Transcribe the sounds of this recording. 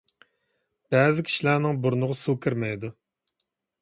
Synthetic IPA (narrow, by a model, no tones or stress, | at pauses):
b̥ɛːzɪkʲʰi̥ʃilæɾnɪŋbuɾunʊʁʊsukʲʰɨɾmɛjd̪u